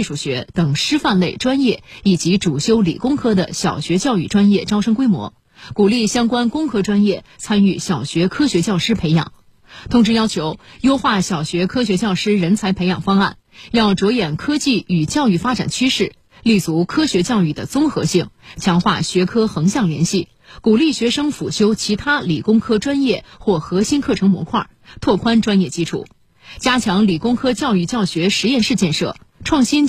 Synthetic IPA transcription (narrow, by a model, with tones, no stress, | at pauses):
i˥˩ʂu˨˩ɕɥɛ˧˥t̪ɤ˨˩ŋʂɻ̩˥fa˥˧nle˥˩ɪʈ͡ʂwa˥njɛ˥˩i˨˩t͡ɕi˧˥ʈ͡ʂu˨˩ɕjo˥ʊlḭ˨˩kʊ˥ŋkʰɤ˥d̪ə̰˨ɕjɑ˨˩ʊɕɥɛ˧˥t͡ɕjɑ˥˧ʊy˥˩ʈ͡ʂwa˥njɛ˥˧ʈ͡ʂɑ˥ʊʂɤ˥ŋkwe˥ɪmwɔ̰˧˥ | ku˨˩li˥˩ɕjɑ˥ŋkwa˥nkʊ˥ŋkʰɤ˥ʈ͡ʂwa˥njɛ˥˩t͡sʰa˥ny˥˩ɕjɑ˨˩ʊɕɥɛ˧˥kʰɤ˥ɕɥɛ˧˥t͡ɕjɑ˥˩ʊʂɻ̩˥pʰe˧˥ɪjɑ̰˨˩˦ŋ | t̪ʰʊ˧˥ŋʈ͡ʂɻ̩˥jɑ˥ʊt͡ɕʰjo˧˥ʊjo˥ʊxwa˥˩ɕjɑ˨˩ʊɕɥɛ˧˥kʰɤ˥ɕ̬ɥɛ˧˥t͡ɕjɑ˥˩ʊʂɻ̩˥ɻə˧˥nt͡sʰa˧˥ɪpʰe˧˥ɪjɑ˨˩ŋfɑ˥ŋa̰˥˩n | jɑ˥˩ʊʈ͡ʂwɔ˧˥jɛ˨˩nkʰɤ˥t͡ɕi˥˩y˨˩t͡ɕjɑ˥˧ʊy˥˩fa˥ʈ͡ʂa̰˨˩nt͡ɕʰy˥ʂɻ̩˥˩ | li˥˩t͡su˧˥kʰɤ˥ɕɥɛ˧˥t͡ɕjɑ˥˧ʊy˥˩d̪ə̰˩t͡sʊ˥ŋxɤ̰˧˥ɕi˥˩ŋt͡ɕʰjɑ˧˥ŋxwa̰˥˩ɕɥɛ˧˥kʰɤ˥xɤ˧˥ŋɕjɑ˥˩ŋljɛ̰˧˥nɕi˥˩ | ku˨˩li˥˩ɕɥɛ˧˥ʂɤ˥ŋfu˨˩ɕjo˥ʊt͡ɕʰi˧˥t̪ʰa˥li˨˩kʊ˥ŋkʰɤ˥ʈ͡ʂwa˥njɛ˥˩xwɔ˥˩xɤ˧˥ɕi˥nkʰɤ˥˩ʈ͡ʂʰɤ˧˥ŋmwɔ̰˧˥kʰwa̰˥˩ | t̪ʰwɔ˥˩kʰwa˥nʈ͡ʂwa˥njɛ˥˩t͡ɕi˥ʈ͡ʂʰṵ˥˩ | t͡ɕja˥t͡ɕʰjɑ˧˥ŋli˨˩kʊ˥ŋkʰɤ˥t͡ɕjɑ˥˧ʊy˥˧t͡ɕjɑ˥˩ʊɕɥɛ˧˥ʂɻ̩˧˥jɛ˥˧nʂɻ̩˥˧t͡ɕjɛ˥˧nʂɤ̰˥˩ʈ͡ʂʰwɑ˥˩ŋɕi˥n